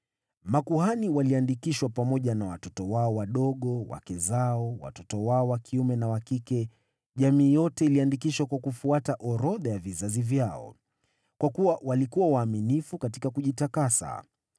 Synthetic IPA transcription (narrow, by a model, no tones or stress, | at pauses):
makuhaniwaliandikiʃwapamɔʄanawa̰tɔtɔwaɔwaɗɔɠɔwa̰kɛzaɔwa̰tɔtɔwaɔwakʰiumɛnawakikɛ | ʄamiːjɔtɛiliandikiʃwakwakufuataʔɔɾɔðajavizazivjaɔ̰ | kwakuwawalikuwawaːminifukatikakuʄitakasa̰